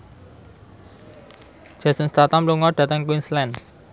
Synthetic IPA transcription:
d͡ʒ̥asənst̪at̪ampluŋɔɖ̥a̤t̪əŋkuinslɛn

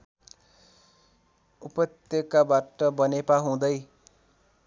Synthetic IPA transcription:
upʌt̪jʌkabaʈʌbʌnepaɦũd̪ʌj

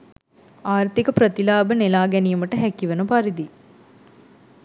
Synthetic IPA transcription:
aːɾt̪ikəpɾɐt̪ilaːbənelaːɡɛnijɐmɐʈəɦækːiʋɐnupaɾid̪i

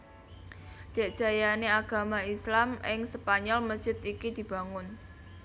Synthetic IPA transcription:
d̪̥ɛ̤ʔd̥ʒ̥a̤janeaɡ̥a̤maislamɪŋsəpaɲɔlməd̥ʒ̥ɪ̤t̪ikid̪̥i̤b̥a̤ŋʊn

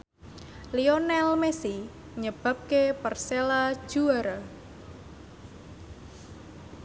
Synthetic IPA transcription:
lionɛlmesi | ɲəb̥a̤p̚kepərselḁʒ̥uaɾa

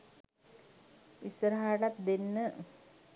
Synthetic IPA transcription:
isəɾɦaːʈat̪̚d̪enːə

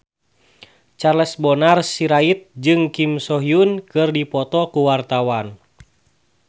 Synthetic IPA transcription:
t͡ʃarlɛsbɔnarsiɾait̪̚d͡ʒɨŋkimsɔɦiunkɨrdipɔt̪ɔkuwart̪awan

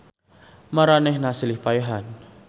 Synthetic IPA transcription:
maɾanɛhnasilihpajaɦan

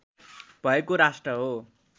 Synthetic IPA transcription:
b̥ʱʌekoɾasʈrʌɦo

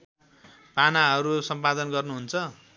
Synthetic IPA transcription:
panaɦʌɾusʌmpad̪ʌnɡʌrnuɦunt͡sʰʌ

